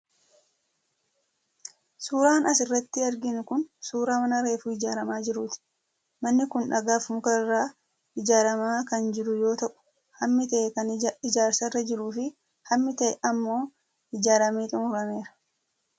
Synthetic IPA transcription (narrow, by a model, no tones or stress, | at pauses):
suːɾaːnɐsɪrːɐt̪ːɪɐɾɡɪnʊkʊnsuːɾaːmɐnɐɾe̞ːfʊɪd͡ʒaːɾɐmaːd͡ʒɪɾuːt̪ɪ̥ | mɐnːɪkʊnᶑɐɡaːfʊmʊkɐɪrːaː | ɪd͡ʒaːɾɐmaːkɐnd͡ʒɪɾʊjo̞ːt̪ɐʔʊ̥ | hɐmːɪt̪ɐʔɛkɐnɪd͡ʒaːɾsɐrːɐd͡ʒɪɾuːfɪ | hɐmːɪt̪ɐʔɛʔɐmːo̞ː | ɪd͡ʒaːɾɐmeːt̪ʼʊmʊɾɐme̞ːɾɐ̥